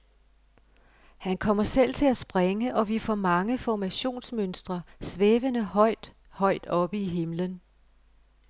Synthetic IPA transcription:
hænkʰɒ̽m̰ɐsel̰t͡sʰe̝læsb̥ʁeŋəʔɒ̽ʋifɒmɑ̈ŋəfɒmæɕo̝̰ːnsmønsd̥ʁɐsʋeːʋənəhɒ̽ɪ̰d̥ | hɒ̽ɪ̰d̥ɒ̽b̥əiɦe̝mlən

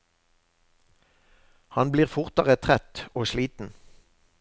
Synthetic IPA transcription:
hɑnbliːʁfʊʁt̪əʁət̪ʰʁɛt̪oːʃliːt̪n̩

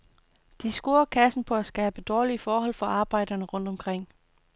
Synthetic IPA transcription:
d̥isɡ̥o̝ːɐkʰæsn̩pʰɒ̽æsɡ̥ɛːb̥əd̥ɒːliəfɒːɦɒ̽l̰fɒ̽ɑ̈ːb̥ɑ̈ɪ̰d̥ɐnəʁɔ̽n̰d̥ɒ̽mkʰʁeŋ̰

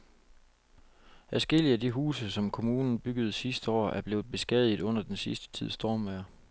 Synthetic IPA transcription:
æsɡ̥e̝l̰iædiɦṵːsəsɒ̽mkʰo̝muːnn̩b̥yɡ̥əð̞̩ˠsisd̥əɒ̰ːæɐb̥le̝ːʊð̩ˠb̥e̝sɡ̥ɛðˠið̩ˠɔ̽n̰ɐd̥ensisd̥ə̥t͡sʰið̞̰ˠsd̥o̝ːmæːɐ

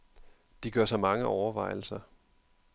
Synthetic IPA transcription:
d̥iɡ̥ɶɐsɑ̈ɪmɑ̈ŋəʔɒʊɐʋɑ̈ɪ̰l̩sɐ

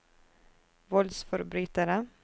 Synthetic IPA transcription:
vɔlsfœɾbɾyːt̪aɾə

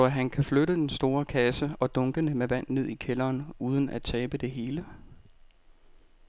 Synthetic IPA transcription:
sɒæɦænkʰæfløɾəd̥ensd̥o̝ːɐkʰæsəɒ̽d̥ɔ̽ŋɡ̥ənəmeʋæn̰ne̝ð̞̰ˠikʰelɐːnuːð̞ˠən̩ʔæt͡sʰɛːb̥əd̥e̝ɦe̝ːlə

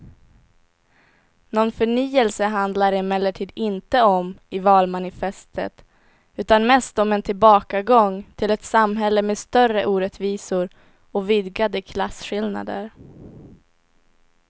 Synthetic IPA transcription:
nɔnfœɳiːəlsəɦand̪laɾɪmɛlːəʈʰiːd̪ɪnt̪əɔmɪvɑːlmanɪfɛst̪ʰə̰t̪ | ʉ̟ːt̪anmɛst̪ɔmɛnt̪ʰɪlbɑːkaɡɔŋt̪ʰɪlɛt̪samɦɛlːəmeːst̪œrəʔuːɾɛt̪viːsʊɾ | ɔvɪd̪ɡad̪əkʰlasɧɪlna̰d̪ə̰ɾ

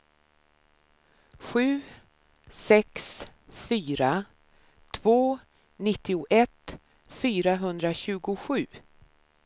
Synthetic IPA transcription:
ɧʉ̟ː | sɛksfyːɾa | t̪ʰvoː | nɪt̪ːɪʊʔɛt̪ | fyːɾaɦɵnd̪ɾaɕʉ̟ːɡʊɧʉ̟ː

